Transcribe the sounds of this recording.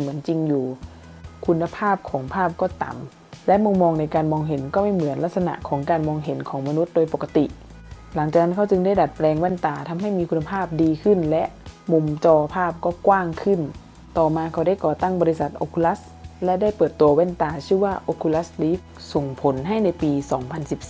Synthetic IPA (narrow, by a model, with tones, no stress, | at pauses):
mɯ˩˦ənt͡ɕi˧ŋjuː˨˩ | kʰu˧nːa˧pʰaː˥˩p̚kʰɔː˩˦ŋpʰaː˥˩p̚kɔː˥˩t̪a̰˨˩˦m | lɛ˦˥ʔmu˧ŋmːɔː˧ŋna˧jkaː˧nmɔː˧ŋɦe˨˩˦nkɔː˥˩ma˥˩jmɯ˨˩˦ənla˦˥t̪̚sa˧na̰˧˨ʔkʰɔː˩˦ŋkaː˧nmɔː˧ŋɦe˩˦nkʰɔː˩˦ŋma˧nu˦˥t̪̚doː˧jpo˨˩kːa˧t̪ḭ˨˩ʔ | la˩˦ŋt͡ɕaː˨˩k̚na˧˥˩kʰa˥˩wt͡ɕɯ˧ŋda˥˩jda˨˩t̪̚plɛː˧ŋwɛː˧˥˨nt̪aː˨˩t̪ʰa˧mɦa˥˩˨jmiː˧kʰu˧nːa˧pʰaː˥˩p̚diː˧kʰɯ˧˥˩nlɛ˦˥ʔmu˧mt͡ɕɔː˧pʰaː˥˩p̚kɔː˥˩kwaː˥˩ŋkʰɯ˧˥˩n | t̪ɔː˨˩maː˧kʰa˧˩dɾa˥˩jkɔː˨˩t̪a˥˩ŋbɔː˧li˧˥sa˨˩t̪̚ʔo˧kʰu˧la˦˥s | lɛ˦˥da˥˩jpɤː˨˩t̪ːu˧ɐwɛː˥˨nt̪aː˧sʰɯ˥˩˨waː˧˥˩ʔo˧kʰu˧la˦˥sliː˦˥f | so˨˩˦ŋpʰo˨˩˦nɦa˥˩jna˧jpiː˧sɔː˩˦ŋpʰa˧nsi˨˩˦p̚s